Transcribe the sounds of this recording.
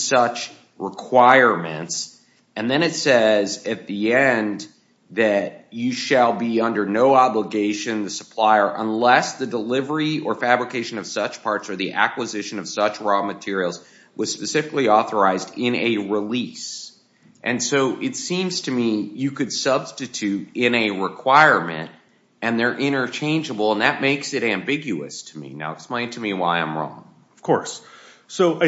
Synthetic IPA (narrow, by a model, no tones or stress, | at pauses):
sʌt͡ʃ | ɹɪkʰw̥aɪə˞mɨ̰̃nts | ɨ̃nðɨ̃ɾ̃ɨtsɛzɨt̪̚ðiɛ̃n | ðɨt͡ʃɨʃɨlˠbiʌ̃ndə˞noʊɑbləɡeɪʃɨ̃nðɨsə̥pʰl̥aɪə˞ʔə̰̃nlɛsðɨdəlɪvə˞iə˞fæbɹɨkʰeɪʃɨ̃nʌv̥sʌt͡ʃpʰɑɹtsə˞ðiʔæ̰kwəzɪʃɨ̃nʌv̥sʌt͡ʃɹɔmɨtʰɪɹil̩ˠz | wʌz̥spɨsɪfɨkliɔθə˞aɪzdɪ̃nɨɹɪlis | ʔɨ̃nsoʊʔɨtsĩmz̥tʰɨmijɨkɨd̥sʌb̥stɨtʰʉɾɪ̃nɨɹɪkʰw̥aɪɹmɨ̰̃nt̚ | ɨ̃nðə˞ʔɪ̃ɾ̃ə˞t͡ʃʰẽɪ̃nd͡ʒəbl̩ˠə̃nðɨt̚meɪksɨɾæ̃mbɪɡjʉɨ̰stʰəmḭna̰ʊəksplẽɪ̃ntʰɨmiwaɪã̰ɪ̃mɹɔ̰̃ŋ | ʌv̥kʰɔɹssoʊ